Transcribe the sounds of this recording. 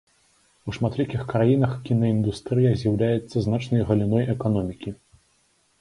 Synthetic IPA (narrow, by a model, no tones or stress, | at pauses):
uʂmat̪lʲikʲixkɾajinɐxkʲinɐind̪ust̪ɾɨjɐzʲjawlʲajɛt̪sːɐznat͡ʂnɐjɣɐlʲinɔjʔɛkanɔmʲikʲi